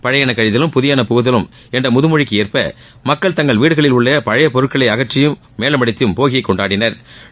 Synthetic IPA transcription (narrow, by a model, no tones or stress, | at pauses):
pɐɻɐjaːnɐkːɐɻɪðɪlɯmpʊðɪjaːnɐpʊɣɯðɐlɯm | ɛndrɐmʊðɯmʊɻɪkːɯɛɾpɐ̰ | mɐkːɐɭt̪ɐŋɡɐɭʋiːɽɯɣɐɭɪlʊɭːɐpɐɻɐjɐpɔɾɯʈ̚kːɐɭɐɪɐɣɐʈrːɪjɯmːeːlɐmɐɽɪt̪ːɪjɯmpoːɣɪɐkːɔɳɖaːɽɪnɐɾ